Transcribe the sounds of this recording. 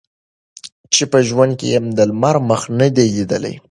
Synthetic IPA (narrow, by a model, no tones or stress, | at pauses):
t͡ʃepəʒwand̪̚kḛjemd̪əlmaɾməxnəd̪elid̪əla̰j